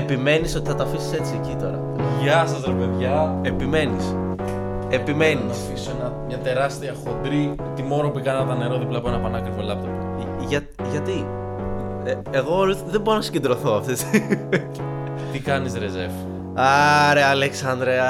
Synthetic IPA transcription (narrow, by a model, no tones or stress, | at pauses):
epime̞niso̞t̪iθɐt̪ɐfisi̥se̞t͡siecit̪o̞̰ɾɐ̰ | ʝɐsɐsɾepeðʝɐepime̞nis | epime̞ninɐfissoenɐmɲɐt̪e̞ɾɐst̪iɐxod̪ɾi | t̪imo̞ɾopikɐnɐðɐne̞ɾoðiplɐpuenɐpɐnɐkɾivo̞lɐp̚t̪opo | ʝɐ | ʝɐt̪i | eɣo̞ðebo̞ɾonɐsi̥ɟed̪ɾo̞θo̞ɐft̪es | t̪ikɐnisɾeze̞v | ɐɾeɐleksɐnd̪ɾeɐ